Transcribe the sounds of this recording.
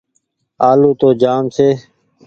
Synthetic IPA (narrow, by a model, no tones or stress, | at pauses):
aːluːt̪oːd͡ʒaːmseː